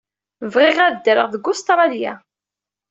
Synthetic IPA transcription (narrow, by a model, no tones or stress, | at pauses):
vʁɪʁæðd̪əɾəʁðəɡʊst̪ɾˤɑlja̰